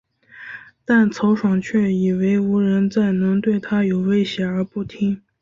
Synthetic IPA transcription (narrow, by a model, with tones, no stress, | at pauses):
t̪a˥˩nt͡sʰo˧˥ʊʂwɑ˨˩ŋt͡ɕʰɥɛ˥˩i˨˩we˧˥ɪu˧˥ɻə˧˥nt͡sa˥˩ɪnɤ˧˥ŋt̪we˥˩ɪt̪ʰa˥jo˨˩ʊwe˥ɪɕjɛ˧˥ə˞˧˥pu˥˩t̪ʰi˥ŋ